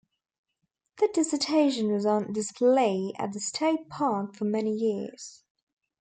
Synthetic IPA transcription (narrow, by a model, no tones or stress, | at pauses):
ðəd̥ɪsətʰeɪʃə̃nwɒzn̩dɪspleɪə̰t̪̚ðəstʰeɪt̚pʰɑˑkfəmɛnijɪəz̥